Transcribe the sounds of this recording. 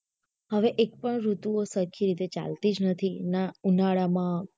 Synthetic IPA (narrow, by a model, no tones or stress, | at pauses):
ɦəʋeʔek̚pəɳɾut̪uosəkʰiɾit̪et͡ʃa̰lt̪id͡ʒnət̪ʰinaunaɭamã